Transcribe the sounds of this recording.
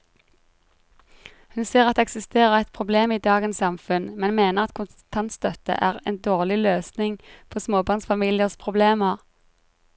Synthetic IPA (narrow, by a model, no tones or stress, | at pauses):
hʉnsiːʁɑt̪d̪ɛɛksɪst̪eːʁəʁɛt̪̚pʰʁʊbleːmiːd̪ɑːɡənsɑmfʉnmɛnmeːnəʁɑt̪kʰʊn | t̪ʰɑnt̪st̪œt̪ə̰ʔæːʁḛːnd̪oːʁlɪløːsnɪŋpʰoːsmoːbɑːʁnsfɑmiːlɪəʁspʰʁʊbleːməʁ